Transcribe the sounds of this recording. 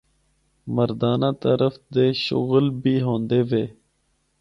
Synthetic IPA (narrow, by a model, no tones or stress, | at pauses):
məɾd̪aːnãːt̪əɾəfd̪eːʃʊ̰ɣəlbʱiːɦõːnd̪eːʋeː